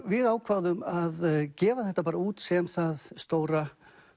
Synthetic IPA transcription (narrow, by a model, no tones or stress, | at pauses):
vɪðaːwkʰvaːwðʏmaðcɛːvaθɛht̪ːapaːɾauːt̪sɛmθaðst̪oːwɾa